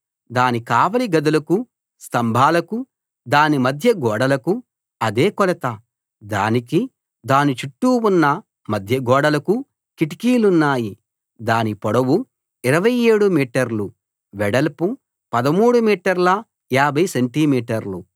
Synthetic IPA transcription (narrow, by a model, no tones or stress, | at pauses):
d̪aːnikaːʋɐliɡɐd̪ulɐku | st̪ɐmbʱaːlɐku | d̪aːnimɐd̪ʱjɐɡɔːɽɐlɐku | ɐd̪eːkɔlɐt̪ɐ | d̪aːniki | d̪aːnit͡ʃuʈːuːunːɐ | mɐd̪ʱjɐɡɔːɽɐlɐku | kiʈi̥kiːlunːaːji | d̪aːnipɔɽɐwu | iɾɐʋɐje̞ːɽumiːʈɐɾlu | ʋɛɽɐlpu | pɐd̪ɐmuːɽumiːʈɐɾlɐ | jaːbʱɐjseɳʈimiːʈɐɾlṵ